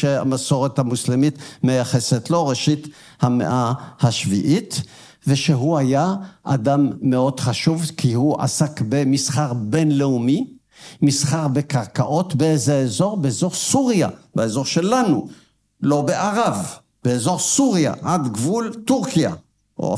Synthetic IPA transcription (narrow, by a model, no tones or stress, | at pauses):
ʃea̰maso̞ʁet̪hamuslemit̪mejaχeset̪lo̞ʁeʃit̪ | hamḛʔahaʃvḭʔit̪ | veʃeɦuajaʔad̪amːe̞o̞d̪χaʃuvkʰihuʔa̰sakbe̞misχaʁbenleumi | misχaʁbekaʁkaʔo̞t̪beezeezo̞ʁbeezo̞ʁsuʁja̰baezo̞ʁʃelanu | lo̞beʔaʁav | b̥eezo̞ʁsuʁija̰ʔad̪ɡvult̪uʁkija̰ | ʔo̰